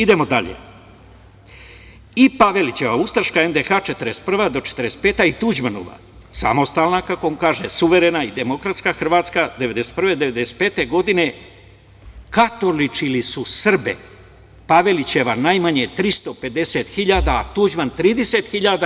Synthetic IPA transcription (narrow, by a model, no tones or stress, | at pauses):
id̪e̞mo̞d̪a̰ʎḛ | ipaʋe̞lit͡ɕe̞ʋaust̪ɾʃkae̞nd̪exaːt͡ʃet̪əɾest̪̚pr̩ʋad̪o̞t͡ʃe̥t̪əɾest̪̚peːt̪ait̪ud͡ʑmano̰ʋa̰ | sa̰mo̞st̪alnakako̞oŋkaːʒesuʋe̞ɾenaid̪e̞mo̞kɾat̪skaxr̩ʋaːt̪skad̪eʋe̞d̪est̪̚pr̩ʋe̞d̪e̞ʋe̞d̪e̞set̪̚peːt̪e̞ɡo̞d̪ine̞ | kat̪o̞lit͡ʃilisusr̩bḛ | paʋe̞lit͡ɕe̞ʋanajmaɲet̪ɾist̪o̞pe̞d̪e̞set̪xiʎaːd̪aːt̪ud͡ʒmant̪ɾiːd̪eset̪xiʎad̪a